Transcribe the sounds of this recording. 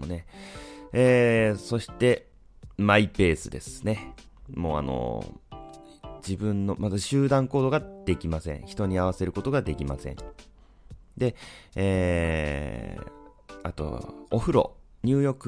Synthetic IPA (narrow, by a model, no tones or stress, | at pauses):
one̞ | eːso̞ɕi̥t̪e̞ | maipe̞ːsɨd̪e̞̰sɨ̥ne̞ | mo̞ːa̰no̰ | d͡ʑibɯ̟̃nːo̞mazɨɕɨːd̪ãŋko̞ːd̪o̞ɡad̪̥e̞kʲimasẽ̞̰ɰ̃çi̥t̪o̞ɲ̟iaβase̞ɾɯ̟ko̞t̪o̞ɡad̪e̞kʲima̰sẽ̞̰ɴ | d̪e̞eː | a̰t̪o̞̰ːɸɯ̟ɾo̞̰ | ɲ̟ɨːjo̞kɯ